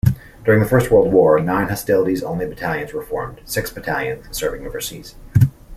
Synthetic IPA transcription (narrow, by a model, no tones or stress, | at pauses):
d̥ʊɹɪ̃ŋðɨfɜ˞st̚wɜ˞lˠd̚wɔɹnãɪ̃nhɑstɪlˠəɾizõʊ̃nlibɨtʰælˠjɨ̃nzwə˞fɔ̰ɹmd̥sɪksb̥ɨtʰæ̰lˠjɨ̃nzsɜ˞vɪ̃ŋjʉ̃nɨvə˞siz̥